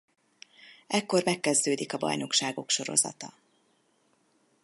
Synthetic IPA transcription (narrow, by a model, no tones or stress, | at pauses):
ɛkːo̞rmɛkːɛzd̪øːd̪ikɒbɒ̰jno̞kʃaːɡo̞kʃo̞ɾo̞̰zɒ̰t̪ɒ